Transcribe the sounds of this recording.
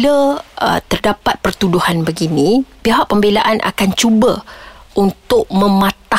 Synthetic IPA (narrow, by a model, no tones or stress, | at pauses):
ləə̰t̪ərdapat̪̚pərt̪uduhanbəɡinĩpiɦaʔpəmbelaʔanʔa̰kant͡ʃubəʔunt̪ʊʔ̚mə̃mãt̪a